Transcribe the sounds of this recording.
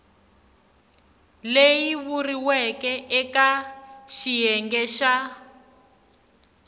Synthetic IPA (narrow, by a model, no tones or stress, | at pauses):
lejiβuriwɛkɛʔɛkaʃijɛŋɡɛʃa